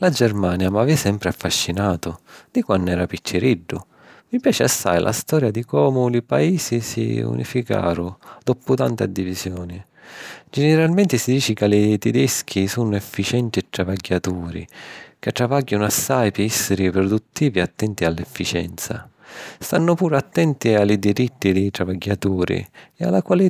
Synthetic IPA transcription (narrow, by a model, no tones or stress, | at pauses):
lad͡ʒɛrmaːnjamavisɛmpɾɪafːaʃːinaːt̪ʊd̪̥ikwanːɛːɾapit͡ʃːɪɾiɖːʊ | mipjaːt͡ʃɪasːa̰jlʔa̰st̪ɔːɾjad̪ikɔːmʊlipaiːsisḭṵnʔḭfika̰ːɾʊd̪ɔpʊt̪ant̪a̰d̪ːivisjɔːni | d͡ʒɛnɛɾalmɛnt̪ɪsid̪iːt͡ʃikalit̪ɛd̪ɛsk̟ʰisunʊɛfːit͡ʃɛnt̪iɛt̪ɾavaɡːat̪uːɾḭkɪt̪ːɾavaɡːanʊasːajpiɛsːɪɾipɾɔd̪ut̪ːiːviat̪ːɛnt̪ialːɛfːit͡ʃɛ̰nt̪sa | st̪anːʊpuːɾat̪ːɛnt̪ialid̪iɾit̪ːid̪ɛjt̪ɾavaɡːat̪uːɾḭɛa̰lːakwali